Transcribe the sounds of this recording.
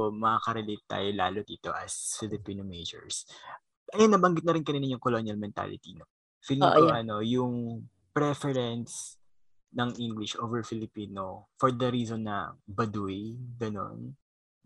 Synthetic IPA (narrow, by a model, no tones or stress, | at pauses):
mɐkakɐɾɛlet̪̚t̪ːa̰ːjola̰ːlod̪iːt̪o̞ʔɐsfɪlɪpiːnomejd͡ʒɛ̰ɹs | ʔɐjanːɐbɐŋɡɪt̪̚nɐɾɪnkɐninɐjʊŋkolonjɐlmɛnt̪a̰lɪ̰t̪ino | fɪniʔɐjʔɐno̞jʊŋ | pɾɛfɛɾɛns | nɐŋʔiŋɡlɪʃʔoːvɛɹfɪlɪpiːnofɔɹd̪ɐɾiːsonːɐ̰bɐd̪uɪɡɐno̰n